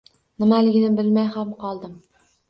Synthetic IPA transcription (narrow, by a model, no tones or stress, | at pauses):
nɪmalɪɡʲɪnɪbɪlmajhamqʰɒlˠd̪ɪm